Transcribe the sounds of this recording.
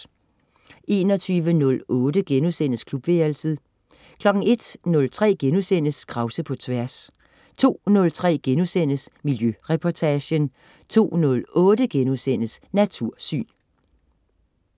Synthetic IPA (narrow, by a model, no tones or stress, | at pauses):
ʔe̝ːnɒ̽t͡sʰyːʋənɔ̽lɔ̽ːdəɡ̥enusen̰əskʰlub̥ʋeːɐlsið̩ˠ | kʰlɒ̽ɡ̥ŋ̩e̝d̥nɔ̽lt͡sʰʁɛ̰ːɡ̥enusen̰əskʰʁɑ̈ʊsəpʰɒ̽t͡sʰʋæɐs | t͡sʰo̝̰ːnɔ̽lt͡sʰʁɛ̰ːɡ̥enusen̰əsmiljøʁɛpʰɒt͡sʰæɕən | t͡sʰo̝̰ːnɔ̽lɔ̽ːdəɡ̥enusen̰əsnæt͡sʰuɐ̰sy̰ːn